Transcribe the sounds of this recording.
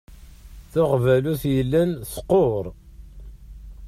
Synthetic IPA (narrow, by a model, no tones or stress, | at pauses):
θʊʁvæluθjəlːænθqːoɾˤ